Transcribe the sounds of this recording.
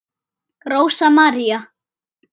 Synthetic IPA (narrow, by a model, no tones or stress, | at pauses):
kɾoːwsamaɾja